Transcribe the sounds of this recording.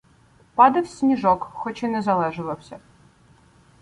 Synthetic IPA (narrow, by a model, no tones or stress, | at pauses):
pad̪ɐfsʲnʲiʐɔkxɔt͡ɕinɛzɐlˠɛʐɨlˠɐwsʲɐ